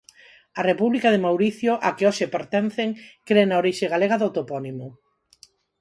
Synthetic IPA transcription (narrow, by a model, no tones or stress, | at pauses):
ɐrepuβlikaðemawɾiθjoʔakeoʃepeɾt̪en̟θeŋkɾenaoɾiʃeɣ̞aleɣ̞aðot̪opɔnimʊ